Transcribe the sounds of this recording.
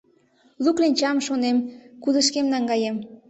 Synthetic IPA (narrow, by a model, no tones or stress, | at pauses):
luklinʲt͡ɕɑmʃonemkud̪əʃkemnɑŋɡɑjem